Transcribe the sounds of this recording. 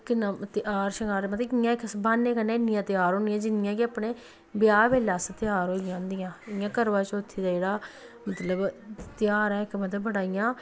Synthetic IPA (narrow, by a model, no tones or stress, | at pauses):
knãt̪ɪʔaːɾʃəŋɡaːɾmət̪ɪjãːɪksbaːnːẽːkənẽːɪnːɪjãːt̪ɪjaːɾɦoːnɪjãːd͡ʒɪnɪjãːkɪaːpnẽː | bɪjaːbeːlaːsət̪ɪjaːɾɦoːɪjãːnd̪ɪjãːɪjãːkəɾʋãːt͡ʃʊt̪ʰːiːd̪aːd͡ʒeːɽaː | mət̪ləbt̪ɪjaːɾɛ̃ːɪkmət̪ləbːəɽaːɪjãː